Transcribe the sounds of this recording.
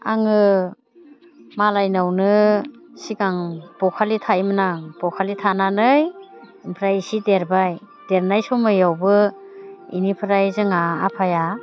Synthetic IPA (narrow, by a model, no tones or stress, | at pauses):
a̰ŋɯ | malajnawnɯ | siɡaŋb̥ɔkʰalitʰajmɯnaŋb̥ɔkʰalitʰananɯj | impʰɾajsideɾbaj | d̥eɾnajsɔmɯjawbɯ | inipʰɯɾajzɯŋa̰ːpʰaja